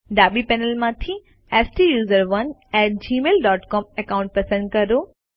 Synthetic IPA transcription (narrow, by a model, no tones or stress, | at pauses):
ɖaːɓipɛːnəlmãt̪ʰĩ | ɛːsʈijuːzəɾʋɐnɛːʈ̚d͡ʑiːmeːlɖɔːʈkɔːmɛkaʊ̃ɳʈ̚pɐsə̃ɳɖ̚kɐɾoː